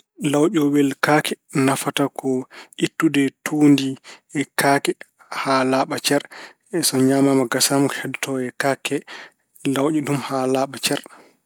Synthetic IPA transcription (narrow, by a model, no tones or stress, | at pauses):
lawɗɔwɛlkakʰɛnafatakʰɔʔitːudɛtʰuːndiɛkʰaːkɛ | halaːɓat͡ʃɛɾ | ɛsɔɲamamaɡasamukhɛdtʰɔɛkakɛ | lawʔiɗumhalaɓat͡ʃɛɾ